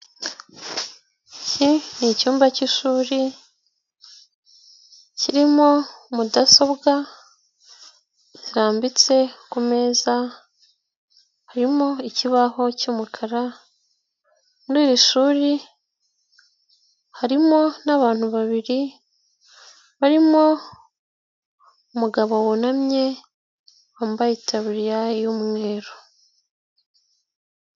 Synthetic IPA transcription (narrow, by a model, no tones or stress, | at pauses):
icinicuːmbaciʃuːɾi | ciɾimo̞mudaso̞bɡa | ciɾaːmbit͡se̞kume̞ːza | haɾimo̞iciβaɦo̞cumukʰaɾa | muɾiːɾiʃuːɾi | haɾimo̞naβaːn̥huβaβiɾi | βaɾimo̞ | umuɡaβo̞wunamɲe̞ | waːmbajitaβiɾijaijumŋe̞ːɾo